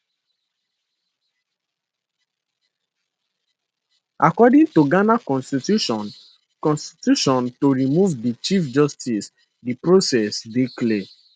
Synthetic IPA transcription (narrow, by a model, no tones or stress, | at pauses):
akɔdĩŋtoɡanakɔ̃nstitjuʃɔ̃n | kɔ̃nsti̥tjuʃɔ̃ntoɹimuvdit͡ʃifd͡ʒɔstis | dipɹosɛsdekle